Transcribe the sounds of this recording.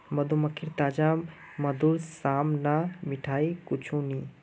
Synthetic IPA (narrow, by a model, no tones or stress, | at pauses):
mɐd̪ʱumɐkʰiɾt̪aːd͡ʒa | mɐd̪ʱulsaːmnamɪʈʰaːikʊt͡ʃʰũnĩː